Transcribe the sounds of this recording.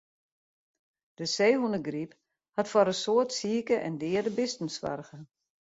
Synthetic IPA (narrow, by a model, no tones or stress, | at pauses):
d̥əseːɦunəɡrip | hatfɔɾəsoətsiːəkəʔɛ̰ndɪədəbɪstn̩sʋa̰rɣə